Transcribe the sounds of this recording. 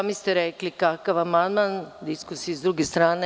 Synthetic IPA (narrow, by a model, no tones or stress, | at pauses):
mist̪eɾeklikakaʋamand̪mand̪iskusijizd̪ɾuɡest̪ɾaːne